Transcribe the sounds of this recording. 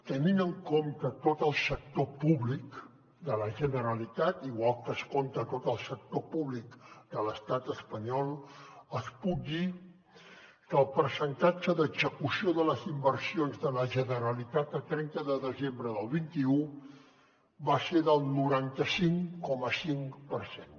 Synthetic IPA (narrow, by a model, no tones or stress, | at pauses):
t̪əninəŋkomt̪ət̪ot̪əlˠsək̚t̪opuβlik | d̪ələʒənəɾəlit̪at̪iɣwalˠkəskont̪ət̪ot̪əlˠsək̚t̪opuβlikd̪ələst̪at̪əspəɲɔlˠəspuk̚d̪i | kəlˠpəɾsənt̪ad͡ʒəðəɡzəkusioðələzimbərsionzðələʒənəɾəlit̪at̪əlˠt̪ɾɛnt̪əðəðəzembɾəðəlˠβint̪iu | βaseðəlˠnuɾant̪əsiŋkɔməsiŋpərsen